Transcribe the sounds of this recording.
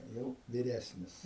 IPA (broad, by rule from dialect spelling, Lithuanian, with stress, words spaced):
jɛʊ ʋʲɪˈrʲæːsʲnʲɪs